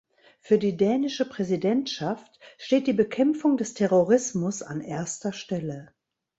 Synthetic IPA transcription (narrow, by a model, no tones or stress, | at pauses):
fyːɐdiːdɛːnɪʃəpʁ̥ɛzidɛntʃaftʃteːt̚d̥iːbəkʰɛmfʊŋdɛstʰɛʁoʁɪsmʊsa̰nʔeːɐstɐʃtɛlə